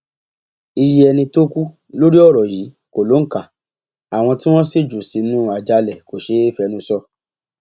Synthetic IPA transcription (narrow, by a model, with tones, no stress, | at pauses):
i˧ji˧ɛ˧nĩ˧to˦ku˦ | lo˦ɾi˦ɔ˦˨ɾɔ˨ji˨˦ | ko˨lo˨˦ŋ̩˦˨ka˨ | a˨w̃ɔ̃˧ti˦w̃ɔ̃˦si˦˨d͡ʒu˨si˨˦nũ˦˨a˨d͡ʒa˧lɛ˨ko˨ʃe˨˦fɛ˧nũ˧˦sɔ˦˨